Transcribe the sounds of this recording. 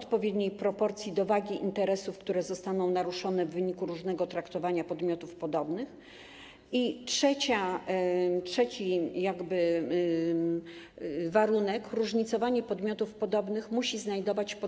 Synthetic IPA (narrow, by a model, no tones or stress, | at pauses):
ɔt̪̚pɔvʲjed̪ɲejpɾɔpɔɾt̪sʲjid̪ɔvaɡʲiʔint̪ɛɾɛsufkt̪uɾɛzɔst̪anɔ̃w̃naɾuʂɔnɛvːɘɲikuɾuʐnɛɡɔt̪ɾakt̪ɔvaɲapɔd̪mʲjɔt̪ufpɔd̪ɔbnɘx | itʂɛt͡ɕa | tʂɛt͡ɕijaɡbɘ | vaɾunɛkɾuʐɲit̪sɔvaɲɛpɔd̪mʲjɔt̪ufpɔd̪ɔbnɘxmuɕiznajd̪ɔvat͡ɕp